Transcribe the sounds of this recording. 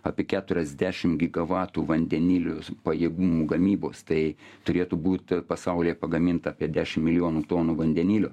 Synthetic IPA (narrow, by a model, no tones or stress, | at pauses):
ɑːpʲiɛkʲæːt̪ʊɾʲɛzʲd̪ʲæːʃʲɪmɡʲɪɡɐʋɑːt̪uːʋɐnʲd̪ʲɛnʲiːlʲoːpɐjeːɡuːmuːɡɐmʲiːboːst̪ɐɪt̪ʊɾʲeːt̪uːbuːt̪pɐsɐʊlʲijɛpɐɡɐmʲɪnt̪ɐɑːpʲiɛd̪ʲæːʃʲɪmmʲɪlʲɪjoːnuːt̪oːnuːʋɐnʲd̪ʲɛnʲiːlʲoː